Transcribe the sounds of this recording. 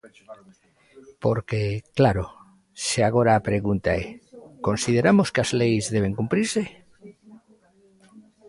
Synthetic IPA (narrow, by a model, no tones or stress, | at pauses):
po̞ɾkeklaɾo | seaɣ̞o̞ɾaːpɾe̞ɣunt̪aeko̞nsið̞e̞ɾamo̞skeazlejzðe̞β̞e̞ŋkumpɾiɾse̞